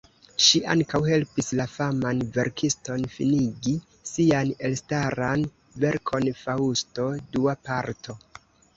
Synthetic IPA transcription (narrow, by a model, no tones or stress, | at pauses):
ʃiʔa̰ŋkawhe̞lpislafamanve̞ɾkʰistonfḭniɡi | siane̞lstaɾan | ve̞ɾkʰo̞nfausto̞duapaɾtʰo̞